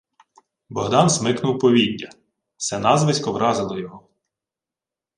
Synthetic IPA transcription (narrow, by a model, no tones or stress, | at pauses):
bɔɦd̪ɑnzmɪknʊwpɔʋʲidʲːɐ | sɛnɑzʋɪsʲkɔʋɾʔɑzɪlˠɔjɔɦɔ